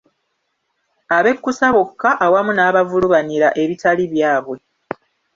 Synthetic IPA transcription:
aβe̞kːusaβokːaʔawamunaːβavuluβaniɾaʔe̞βitaliβjaːβwe̞

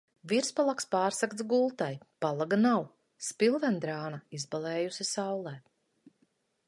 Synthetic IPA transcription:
viɾspalˠakspaːɾsakt̪sɡulˠt̪ajpalˠaɡanaw | spilˠvɛnd̪ɾaːnaizbalɛːjusisawlˠɛː

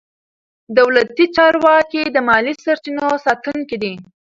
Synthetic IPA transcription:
d̪awlat̪it͡ʃɑɾwɑkid̪əmɑlisaɾt͡ʃinosɑt̪uŋkid̪i

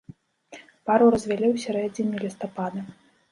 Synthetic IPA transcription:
paɾuɾɐzʲvʲɛlʲiwsʲɛɾɛd͡zʲinʲilʲist̪ɔpad̪ɐ

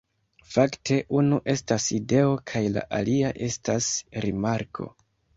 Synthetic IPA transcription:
faktʰe̞ʔunuʔe̞staside̞o̞kʰajla̰ʔaliaʔe̞stasɾimaɾkʰo̞̰

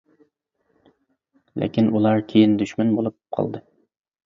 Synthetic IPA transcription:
lḛkʲinulˠɑɾkʲʰejind̪yʃmnbolˠup̚qʰɑ̰lˠd̪ɨ

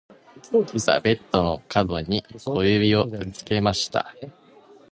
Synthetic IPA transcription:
ɯsa̰be̞t̪ːo̞no̞kʰad̪o̞ɲ̟ikʰo̞jɯbʲio̞t͡sɨ̥ke̞maɕi̥t̪a̰

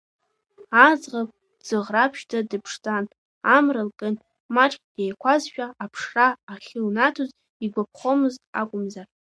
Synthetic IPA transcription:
ad͡zʁapʼ | d͡z̥ɨʁrapʰʃtadɨpʰʂt͡sʼan | amralkʼɨn | maʈ͡ʂʼkʲʼd̥ejkʷʰazʃᶣaapʰʂraːχʲɪlnatʰuz | iɡʷapʰχo̞mɨztʼa̰kʷʼʊmzar

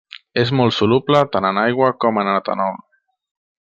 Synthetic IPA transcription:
ezmɔlˠt̪suluplət̪anənajɣwakɔmənat̪a̰nɔ

